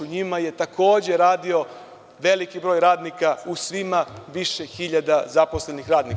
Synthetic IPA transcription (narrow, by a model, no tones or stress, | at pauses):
uɲimaje̞t̪akʰo̞ːd͡ʑe̞ɾaːd̪io̞ | ʋe̞likibɾo̞ːjɾaːd̪nikausʋimaʋiʃexiʎad̪azaposle̞nixɾaːd̪nik